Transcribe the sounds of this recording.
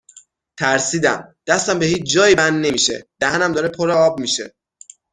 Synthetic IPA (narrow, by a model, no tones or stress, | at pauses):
t̪ʰæɾsiːd̪æ̰md̪̥æst̪æmbehiːt͡ʃʰd͡ʒɒːjibænne̞miːʃḛd̪̥æhænæmd̪ɒːɾe̞pʰoɾeɒːbmiʃe̞̰